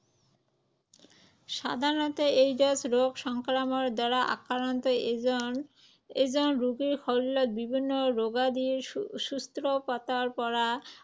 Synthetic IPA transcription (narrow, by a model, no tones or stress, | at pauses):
ʃa̰d̪ʱaɾnɔt̪oejɖosɾoɡʃɔŋkɾamoɾd̪ɔɾaʔa̰kːaɾont̪o | ed͡ʑonɾuɡiɾxʰɔlːot̪̚bibʱinːoɾoɡad̪iʃust̪ɾopat̪aɾpɔɾa